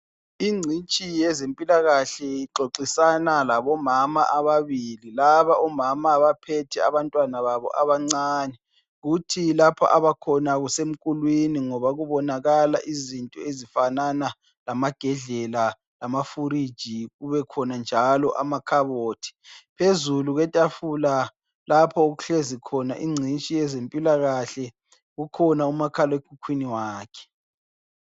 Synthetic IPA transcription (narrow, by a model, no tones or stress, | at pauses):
iŋ͡ǀʱint͡ʃʼijɛzempʼilaɣaɬɛjiǃoǀisanalaβɔmama̰ʔaβaβililaβaʔɔmamaβapʰɛtʰɛa̰βantʼwanaβaβɔ̰ʔaβaŋ͡ǀaːnɛ | ɣutʰilapʰɔ̰ʔaβakʰɔnaɣusem̩kʼulwiniŋɔβaɣuβɔnaɣala̰ʔizintʼɔezifanana | lamaɡ̥ʱɛɮɛla | lamafuɾid̥ʒ̥ʱiɣuβɛkʰɔnand͡ʒʱalɔʔamakʰaβoːtʰi̥pʰezuluɣɛtʼafula | lapʰɔoɣuɬezikʰɔnaʔiŋ͡ǀʱint͡ʃʼiɛzempʼilaɣaɬɛ | ɣukʰɔnaumakʰalɔekʰukʰwiniwaːkʰɛ̥